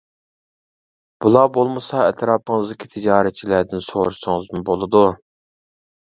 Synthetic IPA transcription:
b̥ulˠɑbolˠmɨsɑɛt̪ʰɾɑːpʰəŋɨzd̪ɪkʲʰit̪ʰɪd͡ʒɑːɾɛt̪̚t͡ʃʰilæd̪ɪnso̰ɾuʃʊŋɨzmʊbolˠɨd̪u

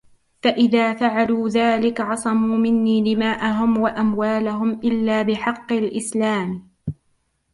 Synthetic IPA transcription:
faʔɪðaːfaʕaluːðaːlɪkʕɑsˤɑmuːmɪnːiːlɪmaːʔaɦʊmwaʔamwaːlaɦʊmʔɪlːaːbɪħɑqːɪlʔɪslaːm

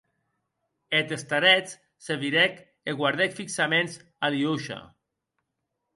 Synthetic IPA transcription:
et̪est̪aɾɛt͡s | seβiɾɛk | eɣwaɾðɛkfiksamenz | aliuʃa̰

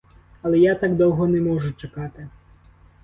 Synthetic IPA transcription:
ɐlˠɛjat̪ɑɡd̪ɔwɦɔnɛmɔʒʊt͡ʃɐkɑt̪ɪ

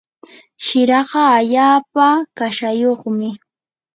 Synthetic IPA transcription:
ʃɪɾɑɢɑːʎaːpakaʃajoχmɪ

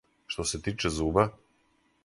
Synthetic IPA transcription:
ʃt̪osɛt̪it͡ʃɛzuba

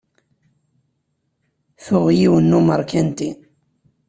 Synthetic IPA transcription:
θʊʁjiwənːuməɾˤkʰænt̪i

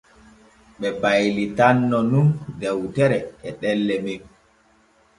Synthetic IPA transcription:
ɓɛbajlitanːɔnundɛwtɛɾɛɛɗɛlːɛmim

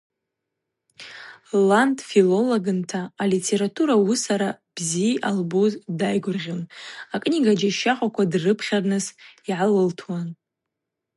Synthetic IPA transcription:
lantʼfilo̞loɡɨntʰaːlitʰe̞ɾatʰuɾawusaɾa | b̥ziʔalbuzdajɡʷʊrʁʲonakʼniɡad͡ʒaʃaχʷʼakʷʰadrɨpʰχʲarnɨsiʕalɨltʰwan

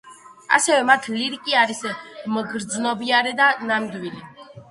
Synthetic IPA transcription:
a̰sɛvɛmat̪ʰliɾikʼiaɾismɡɾd̪znɔbiaɾɛd̪anamd̪wili

